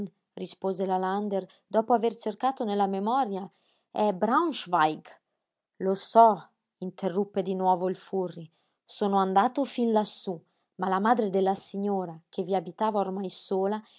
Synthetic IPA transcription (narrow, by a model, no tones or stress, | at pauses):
rispoːzelaland̪er | d̪ɔpoavert͡ʃerkaːt̪onelamemɔɾja | ɛbɾawʃvajɡ | losɔ | int̪ʰerːupːed̪inwɔvoilfurːi | soːnoand̪aːt̪ofinlasu | malamad̪ɾed̪elːasiɲːoːɾakʰeviabit̪aːvaormajsoːla